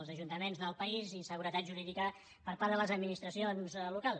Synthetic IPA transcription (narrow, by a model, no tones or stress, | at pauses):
lˠzəʒunt̪əmenzðəlˠpəizisəɣuɾət̪at̪ʒuɾiðikə | pəɾpaɾðələzəd̪minist̪ɾəsionzlukalˠ